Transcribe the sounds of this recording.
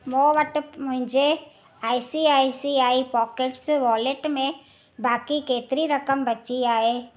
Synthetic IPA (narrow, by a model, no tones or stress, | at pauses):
moːʋəʈəpmʊ̃ɦɪ̃d͡ʒʱe | aːisiaːisiaːipɔːkeʈsʋɔːleʈmẽ | baːkikeːt̪ɾiɾɐkəmbɐt͡ʃiaːeː